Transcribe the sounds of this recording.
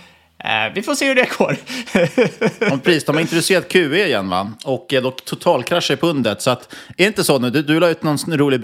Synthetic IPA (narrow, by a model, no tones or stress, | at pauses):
vɪfoːseːhɵɖɛɡoːɾ | mɛpʰɾɛsiːsd̪ɔmaɾɪnt̪ɾɪseːɾad̪̚kʰʉ̟ːeɪjɛnːva̰ɔkːɛd̪ɔkt̪ʰʊt̪ʰɑːlkʰɾaʂəɪpʰɵnd̪ət̪sɔat̪ɛɾɪnt̪əsɔnʉ̟ːd̪ɵd̪ɵlɑːɾʉt̪nɔnɾuːlɪɡb